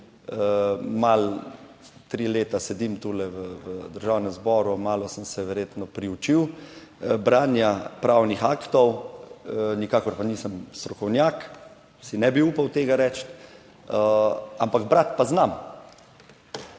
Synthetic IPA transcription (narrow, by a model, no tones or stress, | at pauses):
mal | t̪ɾiːleːt̪asɛd̪imt̪uːlɛʋəʋəd̪əɾʒaːwnɛmzbɔːɾumaːlɔsəmsɛʋɛɾjeːt̪nɔpɾiut͡ʃiw | bɾaːnjapɾawnixaːkt̪ɔw | nikaːkɔɾpaniːsəmst̪ɾɔkɔwnjaːk | sinɛbiuːpawt̪eːɡaɾɛt͡ʃt̪ | əampaɡbɾat̪paznam